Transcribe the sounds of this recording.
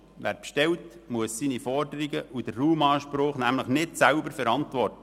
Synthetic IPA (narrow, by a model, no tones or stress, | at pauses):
ʋæ̰ːɾpʃtɛltmuəssinifɔrdəɾiɡəud̥ərːuːmɑːʃpɾʊːχnæmləχnɪtsæʊbəɾfɛɾɑntʋɔrtə